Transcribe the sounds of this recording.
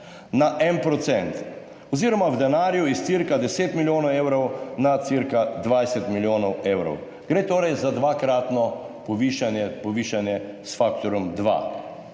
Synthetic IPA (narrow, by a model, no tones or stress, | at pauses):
naʔɛnpɾɔt̪sɛnt̪ | ɔziːɾɔmawd̪ɛnaːɾjuist̪siɾkad̪ɛseːt̪miljoːnɔweːwɾɔwnat̪siɾkad̪ʋajsɛt̪miljoːnɔwewɾɔ̰w | ɡ̥ɾeːt̪oːɾɛjzad̪ʋakɾaːt̪nɔ | pɔʋiːʃanjɛpɔʋiːʃanjɛsfakt̪ɔɾɔmd̪ʋa̰